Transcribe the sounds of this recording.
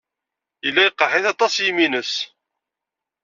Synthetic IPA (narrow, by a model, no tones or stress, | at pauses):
ilːæjəqːəħiθɑt̪ˤɑsjiminəs